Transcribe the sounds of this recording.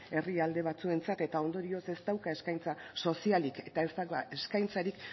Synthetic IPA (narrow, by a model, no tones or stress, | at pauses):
e̞riald̪e̞β̞at͡sue̞nt͡sat̪e̞t̪ao̞nd̪o̞ɾio̞se̞st̪awkae̞skajnt͡saso̞sialike̞t̪ae̞st̪akaeskajnt͡saɾik